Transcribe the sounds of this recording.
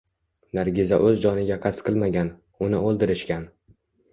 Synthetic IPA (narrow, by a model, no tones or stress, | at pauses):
naɾɡʲɪzaʔɵzd͡ʒɒnɪɡʲaqʰast̪qʰɨlˠmaɡʲan | ʊnɪolˠd̪ɪɾɪʃkʲan